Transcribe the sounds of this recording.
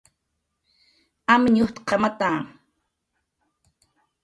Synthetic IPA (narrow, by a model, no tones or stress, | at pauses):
amɲuht̪qʰɑmat̪aːŋ